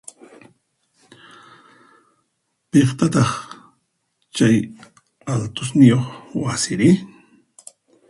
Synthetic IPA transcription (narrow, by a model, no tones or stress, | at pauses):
peχt̪at̪ɑχ | t͡ʃaj | alt̪ʊsnɪjoχwasɪɾɪ